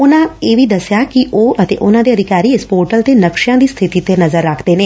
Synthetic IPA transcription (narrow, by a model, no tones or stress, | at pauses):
ʊnãːeːʋiːd̪əsjaːkɪʔoːʔət̪ḛːʔʊnãːd̪eːəd̪ʱɪkaːɾiːɪspoːɾʈəlt̪eːnəkʃɪjãːd̪iːst̪ʰɪt̪iːt̪enəzəɾːaːkʰd̪eːneː